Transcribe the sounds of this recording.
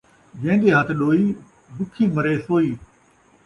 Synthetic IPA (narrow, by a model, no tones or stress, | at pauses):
ɡẽːnd̪eːɦət̪ʰɗoːiː | bʊkʰĩːməɾeːsoːiː